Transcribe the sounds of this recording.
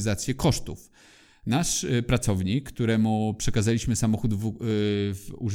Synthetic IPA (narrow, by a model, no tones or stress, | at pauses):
zat̪sʲjɛkɔʂt̪uf | naʂpɾat̪sɔvɲikːt̪uɾɛmupʂɛkazalʲiɕmɘsamɔxud̪v | vṵʐ